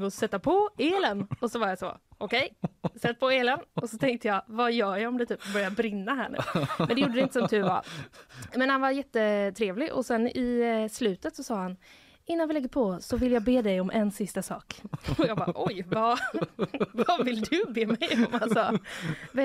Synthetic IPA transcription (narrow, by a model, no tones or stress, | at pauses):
ɔsɛt̪ːapʰɔeːlənɔsɔvaɾjasɔ̰ʔɔkʰɛjsɛt̪ːpʰɔeːlənɔsɔt̪ʰɛŋk̚t̪əjɑvajœːjaɔmd̪ɛt̪ʰyːpbœɾjabɾɪnːaɦæ̰ːɳʉ̰ːɛnd̪ɛjuːɖəd̪ɪnt̪əsɔmt̪ʰʉ̟va̰ | mɛnhanvaɾjɛt̪ːət̪ʰɾeːvlɪʔɔ̰sɛnːɪslʉ̟ːt̪ət̪sɔsɑːhan | ʔɪnːanvɪlɛɡːəɾpʰɔsɔvɪljaːɡbeːd̪ɛjɔmʔɛnsɪst̪asɑ̰ːkɔjɑːɡbɑ̰ːʔɔjva | vavɪlːd̪ɵbeːmɛjɔmhasɔv